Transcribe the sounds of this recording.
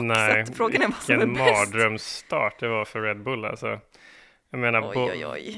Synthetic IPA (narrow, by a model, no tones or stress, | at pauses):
nɛfɾoːɡanɛɛnmɑːd̪ɾœmst̪ɑ̰ːʈ̚d̪ɛvaɾfœɾɾɛd̪̚bɵlːa̰lsɔ̰ | jaɡmeːnaɾb